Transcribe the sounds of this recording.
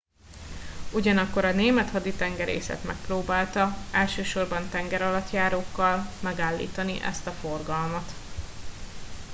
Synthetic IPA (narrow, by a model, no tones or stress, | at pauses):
uɟɒnɒkːoɾɒneːmɛt̪hɒd̪it̪ɛŋɡɛɾḛːsɛ̰t̪mɛ̰k̚proːbaːlt̪ɒɛlʃøːʃo̞rbɒnt̪ɛŋɡɛɾɒlɒt̪jaːɾoːkːɒlmɛɡaːlːḭːt̪ɒniʔɛ̰st̪ɒfo̞rɡɒlmɒt̪